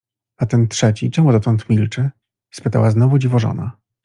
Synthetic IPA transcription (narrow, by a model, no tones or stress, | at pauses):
at̪ɛnt̪ʂɛt͡ɕit͡ʂɛmud̪at̪ɔnt̪mʲilt͡ʂɘ | spɘt̪a̰waznɔvud͡ʑivɔʐɔ̰na̰